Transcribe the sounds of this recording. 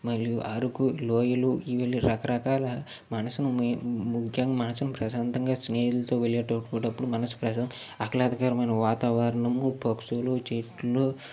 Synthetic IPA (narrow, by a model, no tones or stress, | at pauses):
mɐlijuʔɐɾukuloːjɐluiʋelːiɾɐkɐɾɐkaːlɐ | mɐnɐsunɐmmukʰjaːŋɡmɐnɐsunɐpɾɐsaːnt̪ɐŋɡaːsneːjulɐt̪oːʋeɭjeːʈɐʈkuːʈɐpːuɽumɐnɐsu̥pɾɐsɐŋ | ɐklaːd̪ɐɡaːɾɐmɐnɐʋaːt̪aːʋɐɾɐɳɐmubɐksulut͡ʃeʈlo